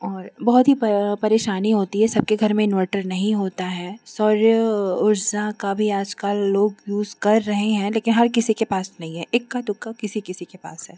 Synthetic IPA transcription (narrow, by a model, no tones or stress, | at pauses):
ɔːɾbɔɦʊt̪ɦipɐɾeːʃaːniɦoːt̪iɦɛsɐb̚keɡʱɐɾmẽɪnʋəɾʈəɾnɐɦĩɦoːt̪aɦɛːsɔːɾjəʊɾzãkabʱiaːd͡ʒkəlːoːɡjuːzkɐɾːɐɦeɦɛ̃leːkɪnɦɐɾkɪsikepaːsnɐɦĩɦɛ̃ʔeːkːad̪ʊkːakɪsikɪsikepa̰ːsɦɛː